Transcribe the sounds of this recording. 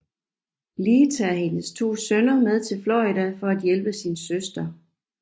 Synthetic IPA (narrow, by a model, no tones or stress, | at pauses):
liːt͡sʰæ̰ːɦe̝nəst͡sʰo̝̰ːsønɐmeð̞ˠt͡sʰe̝lflɒid̥æfɒ̽æd̥jelb̥əsiːnsøsd̥ɐ